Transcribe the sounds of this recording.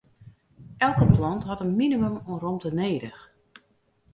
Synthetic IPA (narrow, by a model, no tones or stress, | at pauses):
ʔɛlˠkəplɔntɦɑtənminimømɔmrɔmtəneːdəx